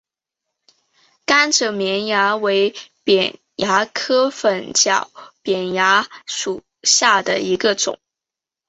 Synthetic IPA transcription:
ka˥nʈ͡ʂɤ˨˩mjɛ˧˥nja˧˥we˧˥ɪpjɛ˨˩n | ja˧˥kʰɤ˥fə˨˩nt͡ɕjɑ˨˩ʊpjɛ˨˩nja˧˥ʂu˨˩ | ɕja˥˩d̪ə˩i˧˥ɡə˧ʈ͡ʂʊ̰˨˩˦ŋ

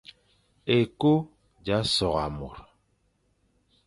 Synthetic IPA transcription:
e˨ko˦ | d͡ʒa˨˦sɔ˨ɣa˨mo̰˨ɾ

